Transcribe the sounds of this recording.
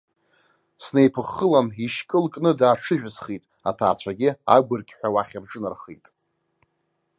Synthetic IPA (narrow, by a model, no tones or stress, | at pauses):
snejpʰɨχːəlaniʃkʼɨlkʼnɨdaːʈ͡ʂʰɨʒᶣsχitʼ | atʰa̰ːt͡ɕʷʰaɡʲɪa̰ɡʷʊrkʲʼħʷᶣawaχʲɪrʈ͡ʂʼɨnarχejtʼ